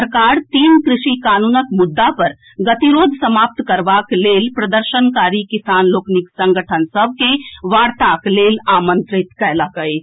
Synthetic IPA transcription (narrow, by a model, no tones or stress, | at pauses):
səɾkaːɾt̪iːnkɾɪʃikaːnuːnəkmʊd̪ːapɐɾ | ɡət̪iɾoːd̪ʱsəmaːp̚t̪kəɾʋaːkleːlpɾəd̪əɾʃənkaːɾikɪsaːnloːkniksə̃ŋɡəʈʰənsəbʱkeʋaːɽt̪akleːlaːmə̃nt̪ɾɪt̪kɛlakəe